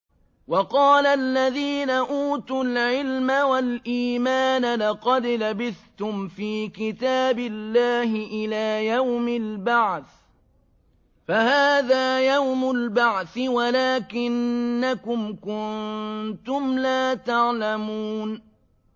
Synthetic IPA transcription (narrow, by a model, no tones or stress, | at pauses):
wɑqɑːlalːaðiːnaʔuːt̪ulʕɪlmawalʔiːmaːnalɑqɑd̪labɪθt̪ʊmfiːkɪt̪aːbɪlːaːɦɪʔɪlaːjawmɪlbaʕθ | fahaːðaːjawmʊlbaʕθɪwalaːkɪnːakʊmkʊnt̪ʊmlaːt̪aʕlamuːn